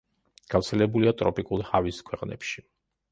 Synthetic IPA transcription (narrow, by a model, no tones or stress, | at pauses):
ɡ̥aft̪sʰɛlɛbuliat̪ʼɾɔpʼikʼulˠhaviskʰwɛqʼnɛ̰pʃi̥